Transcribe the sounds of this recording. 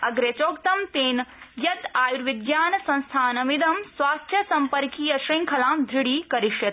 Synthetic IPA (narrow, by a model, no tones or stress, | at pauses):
ɐɡɾet͡ʃoːkt̪ɐmt̪eːnjɐt̪aːjuɾʋid̪jaːnɐsɐ̃nst̪ʰaːnɐmid̪ɐmswaːkt͡ʃʰjɐsɐmpɐɾkiːjɐʃɾiŋkʰɐlaːmd̪ʱɾiɽiːkɐɾiʃjɐt̪